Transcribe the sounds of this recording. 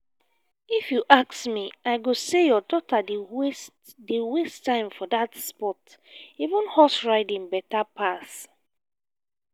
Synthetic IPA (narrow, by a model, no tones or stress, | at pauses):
ifjuʔaksmiaɪɡosejɔdɔtad | dewestːãɪ̃mfɔdatspɔt | ivũnhɔsɹaɪdĩŋbɛtapʰas